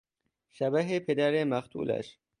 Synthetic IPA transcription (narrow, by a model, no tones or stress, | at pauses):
ʃæbæɦepʰed̪æɾemæχt̪ʰṵːlæ̰ʃ